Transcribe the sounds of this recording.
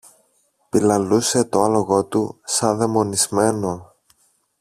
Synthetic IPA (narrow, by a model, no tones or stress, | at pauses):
pilɐluse̞t̪o̞ɐlo̞ɣo̞t̪usɐðe̞mo̞nizme̞no̞